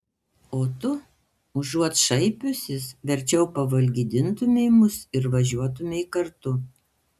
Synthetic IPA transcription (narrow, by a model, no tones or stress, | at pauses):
oːt̪ʊ | ʊʒuɔt̪ʃɐɪpʲʊsʲɪsʋʲɛɾʲt͡ʃʲɛʊpɐʋɐlʲɡʲid̪ʲɪnt̪ʊmʲeɪmʊsɪɾʋɐʒʲuɔt̪ʊmʲeɪkɐɾt̪ʊ